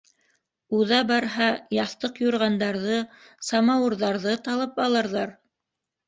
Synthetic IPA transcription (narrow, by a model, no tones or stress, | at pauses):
uðɑbɑɾɦɑjɑθt̪ɤqjuɾʁɑnd̪ɑɾðɤ | sɑmɑwɤ̆ɾðɑɾðɤt̪ɑlˠɤpɑlˠɤ̆ɾðɑɾ